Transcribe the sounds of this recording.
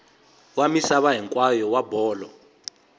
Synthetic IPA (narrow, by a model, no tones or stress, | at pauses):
wamisaβaɦɛŋkʼwajɔwabɔːlɔ